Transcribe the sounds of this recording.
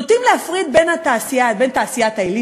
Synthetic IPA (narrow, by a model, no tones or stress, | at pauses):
ot̪imleafʁid̪̚benat̪aːsijabent̪aːsijat̪ajli